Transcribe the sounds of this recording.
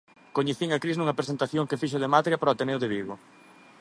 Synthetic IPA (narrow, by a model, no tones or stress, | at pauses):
koɲeθiŋɐkɾiznuŋɐpɾesent̪aθjoŋkefiʃ̬ʊðemat̪ɾjapɾoat̪enewðeβiɣo